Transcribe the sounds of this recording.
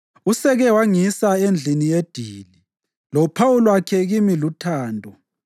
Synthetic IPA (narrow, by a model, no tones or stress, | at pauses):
usɛɣɛwaŋisaend͡ɮʱinijed̥ʱiːli | lɔpʰawulwakʰɛɣimilutʰaːndʱɔ